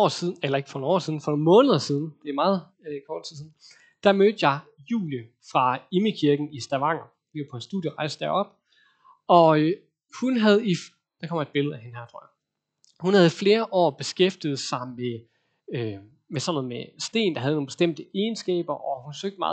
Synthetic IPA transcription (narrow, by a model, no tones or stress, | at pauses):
ɒ̰ːsiðˠelɐe̝ɡ̥fɒnonɒ̰ːsið̞ˠn̩fɒ̽no̝ːnmɔ̽ːnəðˠɐsið̞ˠn̩d̥e̝mɑ̈ːð̞̩ˠ | kʰɒːd̥t͡sʰiðˠsiːn̩ | d̥æmød̥jɑ̈ɪ | jṵːljə | fʁɑ̈iməkʰiɐɡ̥n̩isd̥æʋɑ̈ŋ̰ɐ̥ | ipʰɒ̽nsd̥uð̰ˠjəʁɑ̈ɪsd̥d̥æɐɒ̽b̥ | ɒ̽ø | hunɦæð̞ˠi | d̥ɑ̈kʰɒ̽m̰e̝d̥̚b̥e̝ləæhe̝nɦæɐt͡sʰʁo̰ɐjɑ | hunhæð̞̩ˠfle̝ːɐʔɒ̰ːb̥e̝sɡ̥efd̥ið̞̩ˠsɑ̈ɪme | ø | mesɒ̽nɔ̽ð̩ˠmesd̥e̝̰ːnd̥ɑɦæðˠno̝ːnb̥e̝sd̥em̰d̥əeːnsɡ̥ɛ̰ːb̥ɐʔɒ̽hfɒsøɡ̥̚d̥̚mɑ̈ːð